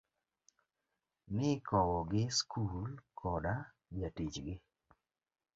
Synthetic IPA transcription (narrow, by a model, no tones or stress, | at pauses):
nɪkɔwɔɡɪskʰulkʰɔda | batit͡ʃɡɪ